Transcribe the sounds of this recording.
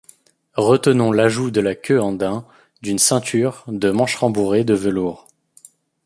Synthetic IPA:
ʁət̪ənɔ̃laʒud̪əlakʲʰøɑ̃d̪ɛ̃ | d̪ynsɛ̃t̪ʰyʁd̪əmɑ̃ʃʁɑ̃buʁed̪əvəluːʁ

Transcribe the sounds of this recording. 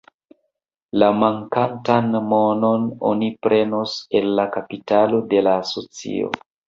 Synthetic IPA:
lamaŋkantanmo̞no̞no̰nipɾʔe̞nose̞lːakapitalo̞de̞laːso̞t͡sḭo̞̰

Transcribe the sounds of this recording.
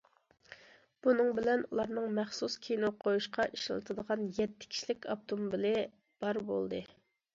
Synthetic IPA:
b̥unɨŋbɪlɛnṵlˠɑɾnɨŋmɛχsuskʲʰejnoqʰːojuʃqʰɑʔiʃl̰lˠt̪ʰɨd̪əʁɑnjɛt̪ʰːɪ̥kʲʰi̥ʃlɪkʲɑ̰p̚t̪ʰomubɪlɪ | b̥ɑɾbo̰lˠd̪ɨ

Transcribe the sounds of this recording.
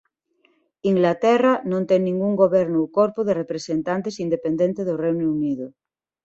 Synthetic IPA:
iŋɡlat̪ɛranõnt̪eŋnĩŋɡuŋɡoβeɾnoukoɾpoðerepɾesent̪ant̪esind̪epend̪ent̪eðorejnuuniðo

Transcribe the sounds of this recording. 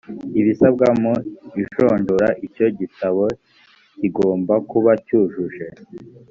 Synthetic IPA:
iβisabɡamuiʃoːndoɾaʔico̞ɟitaβo̞ | ciɡo̞ːmbakuβacuːʒuʒe̞

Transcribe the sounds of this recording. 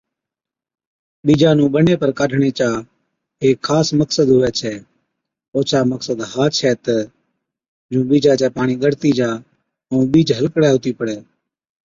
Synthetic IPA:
ɓiːd͡ʒaːnũːɓəneːpəɾkaːɖʰʱɳeːt͡ʃaː | ɦeːkʰːaːsməksəd̪ɦʊʋɛːt͡ʃʰɛː | oːt͡ʃʰaːməksəd̪ɦaːt͡ʃʰɛːt̪ə | d͡ʒũːɓiːd͡ʒaːt͡ʃɛːpaːɳ̃iːɡəɽt̪iːd͡ʒaː | ũːɓiːd͡ʒɦəlkɽɛːʊt̪iːpəɽɛː

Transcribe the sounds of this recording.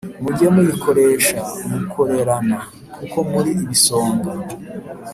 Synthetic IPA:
muɟemujikʰo̞ɾe̞ːʃamukʰo̞ɾe̞ɾana | kʰuko̞muɾiːβiso̞ːmba

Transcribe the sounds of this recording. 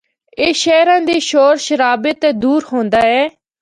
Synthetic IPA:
eːʃɛːɾãːd̪iːʃoːɾʃəɾaːbɪt̪d̪uːɾɦõːnd̪aːɛː

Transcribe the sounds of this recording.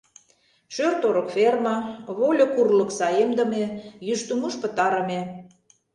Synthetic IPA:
ʃørt̪oɾə̆kfermɑβolʲŏkurlə̆ksɑjemd̪ə̆mejyʃt̪umuʃpə̆t̪ɑɾə̆me

